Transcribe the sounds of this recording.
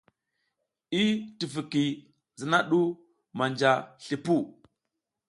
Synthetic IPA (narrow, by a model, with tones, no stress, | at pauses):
i˦ti˨fi˨ki˨ | zi˨na˦ɗu˦ | ma˨nd͡ʒa˨ɬi˨pu˦